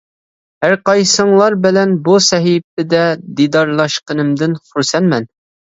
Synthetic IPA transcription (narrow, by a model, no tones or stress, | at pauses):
hæɾqɑjsəɴlˠɑɾbɪlɛnbusɛɦip̚t̪ɪd̪ɛd̪id̪ɑɾlˠɑʃqənɨ̆md̪ɪnχuɾsɛnmɛn